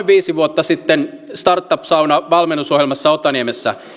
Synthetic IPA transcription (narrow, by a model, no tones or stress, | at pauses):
ʋiːsiʋuot̪ːɑsit̪ːenst̪ɑrt̪ːɑpsɑwnɑʋɑlmenːusohjelmɑsːɑot̪ːˑɑniemesːæ̰